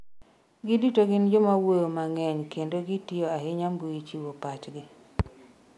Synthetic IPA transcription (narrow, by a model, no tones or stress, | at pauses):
ɡɪditoɡɪnd͡ʒomawojomaŋɛɲkendoɡitɪoaɦɪɲamɡuit͡ʃiwopat͡ʃɡɪ